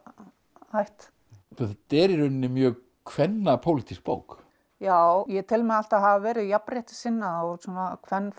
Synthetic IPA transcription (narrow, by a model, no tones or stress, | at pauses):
hajht̪ | θɔθt̪ɛɾiɾʏnːɪmjœː | kʰvɛnːapʰowlit̪ʰisk̚po̰ːwk | jaːwjɛt̪ʰɪlmɛðal̥t̪aðɦavavɛːɾɪðjapɾejht̪ɪ̥sɪnːaɔsɔːnakʰvɛnː